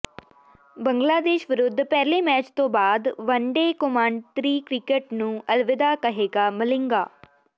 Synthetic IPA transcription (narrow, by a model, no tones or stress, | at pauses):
bəŋɡlaːd̪eːʃʋɪɾʊd̪ʱːpɛːleːmɛːt͡ʃt̪õːbaːd̪ʋəɳɖeːkomãːɳɖt̪ɾiːkɾɪkeʈnũːʔəlʋɪd̪aːkəɦeːɡaːməlɪŋɡaː